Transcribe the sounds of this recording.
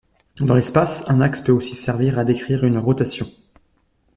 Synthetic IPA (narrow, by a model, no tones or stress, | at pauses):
d̪ɑ̃lɛspasɛ̃nakspøosi̥sɛʁviʁad̪ekχiʁynʁɔt̪asjɔ̃